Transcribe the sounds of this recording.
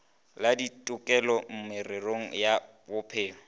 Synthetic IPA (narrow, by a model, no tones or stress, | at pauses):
laditʼʊkʼɛlɔm̩mɪrɪroŋ̩ja | bʊpʰeːŋɔ